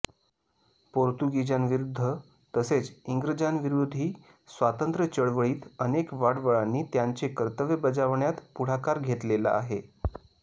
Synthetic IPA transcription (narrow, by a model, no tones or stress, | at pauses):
poɾt̪uɡid͡ʑanʋiɾud̪ʱːə | t̪əset͡siŋɡɾəd͡ʑanʋiɾod̪ʱiː | sʋat̪ənt̪ɾət͡ɕəɭʋəɭiːt̪ənekʋaɽʋəɭanːiːt̪jaɲt͡ɕekəɾt̪əʋjəbəd͡zaʋɳjat̪puɽ̤akaɾɡʱet̪lela̰a̰ɦe